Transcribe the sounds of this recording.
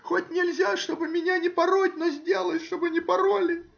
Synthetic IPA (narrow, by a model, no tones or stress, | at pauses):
xotʲnʲɪlʲzʲaʂt̪o̞bɨmʲɪnʲanʲɪpɐɾotʲnozʲdʲelˠətʲʂt̪obɨnʲɪpɐɾolʲɪ